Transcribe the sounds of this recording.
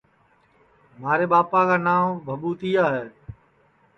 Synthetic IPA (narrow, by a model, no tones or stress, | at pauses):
maːɾeːɓaːpaːkaːnaːʋbʱəbuːt̪iːaːɦeː